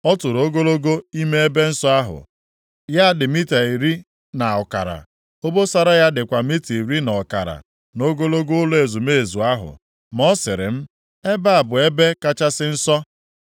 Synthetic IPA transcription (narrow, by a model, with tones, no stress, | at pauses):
ɔ˦tʊ˨ɾo˦ɡo˦lo˦ɡo˦i˦me˦e˦be˦n̩˦sɔ˦a˦ɦʊ̰˨ | ja˦dɪ˨mi˦ta˨i˨ɾi˦ | na˨ɔ˨ka˨ɾa̰˨ | o˦bo˦sa˦ɾa˦ja˦dɪ˨kʷa˨mi˦ti˨i˨ɾi˦nɔ˨ka̰˨ɾa̰˨ | no˦ɡo˦lo˦ɡo˦ʊ˦le˨zu˨me˦e˨zu˨a˦ɦʊ̰˨ | m˦ɔ˦sɪ˨ɾɪ̰˨m̩˦ | e˦ba˦a˨bʊ˨e˦be˦ka˦t͡ʃa˦sɪ˦n̩˦sɔ˦